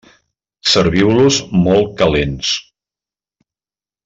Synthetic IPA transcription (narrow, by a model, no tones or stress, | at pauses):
səɾβiwluzmɔlˠkəlens